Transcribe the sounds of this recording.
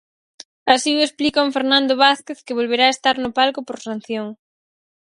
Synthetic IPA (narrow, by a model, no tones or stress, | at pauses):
asiuesplikooɱfeɾnãnd̪oβaθkeθkeβ̞olβeɾaest̪aɾnopalkopoɾsan̟θjoŋ